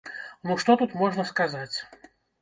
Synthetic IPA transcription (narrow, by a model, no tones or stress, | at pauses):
nuʂt̪ɔt̪ut̪mɔʐnɐskazat͡sʲ